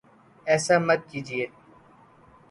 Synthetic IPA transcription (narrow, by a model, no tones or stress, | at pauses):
ɛːsaːmət̪̚kiːd͡ʒɪeː